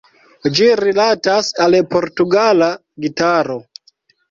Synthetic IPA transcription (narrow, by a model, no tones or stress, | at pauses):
d͡ʒiɾilatasalpoɾtuɡala | ɡitaɾo